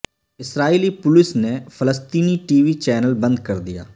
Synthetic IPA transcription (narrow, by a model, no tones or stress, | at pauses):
ɪsɾaːiːliːpʊlɪsneːpʰələst̪iːniːʈiːʋiːt͡ʃɛːnəlbə̃nd̪̚kəɾd̪ɪja̰ː